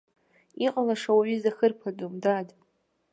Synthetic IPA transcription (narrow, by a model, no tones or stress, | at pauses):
iqʼalaʂawaʕizaxɨrpʰadʼomdad